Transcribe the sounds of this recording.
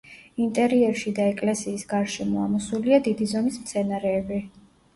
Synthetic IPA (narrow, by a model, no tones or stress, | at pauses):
int̪ʼɛɾiɛɾʃid̪aɛkʼlɛsiːsɡaɾʃɛmɔamɔsuliad̪id̪izɔmismt̪sʰɛnaɾɛːbi